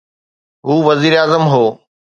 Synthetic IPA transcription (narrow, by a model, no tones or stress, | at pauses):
ɦuːʋɐziːɾaːzəmɦoː